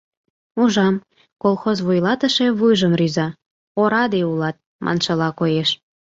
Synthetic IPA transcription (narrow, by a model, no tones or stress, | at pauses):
uʒɑm | kolˠxozβujlɑt̪əʃe̽βujʒəmryzɑ | oɾɑd̪eulɑt̪̚ | mʔɑ̰nʃɤ̆lɑkojeʃ